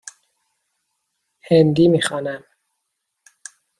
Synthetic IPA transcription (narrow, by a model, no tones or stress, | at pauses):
hend̪iːmiːxɒːnæm